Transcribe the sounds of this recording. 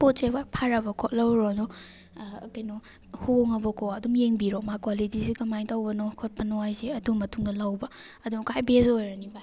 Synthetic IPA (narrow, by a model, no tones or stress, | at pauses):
pot̚t͡ʃebapʰaɾɐbɐkʰot̚lɐwɾodɔ | kajnɔ | huŋɐbɔkʰoɐdumjeŋbiɾomakalidisikɐmajtawbɐnokʰot̚pɐnɔajseɐdumːɐtuŋdɐlawbɐ | ɐduŋkajbezojɾɐniba